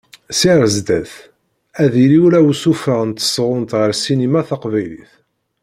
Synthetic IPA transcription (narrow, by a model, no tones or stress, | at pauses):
siɾˤəzd̪æθ | æðiliwɾæwsufaʁnt̪ːə̥sʁʊnt̪ʁəɾsinimaθɑqvæjlḭθ